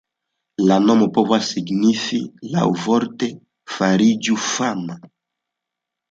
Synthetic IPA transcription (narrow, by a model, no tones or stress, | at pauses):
lanomopovasiɡnifila̰wvɔɾt̪e | faɾid͡ʒufama